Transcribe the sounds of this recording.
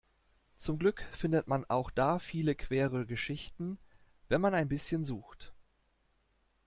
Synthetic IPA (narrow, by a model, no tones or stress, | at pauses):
t͡sʊmɡlʏkfɪndətmanʔa̰ʊxd̥aːfiːləkʰv̥eːʁəɡəʃɪçtn̩ | vɛnmanaɪnbɪsçənzuːxt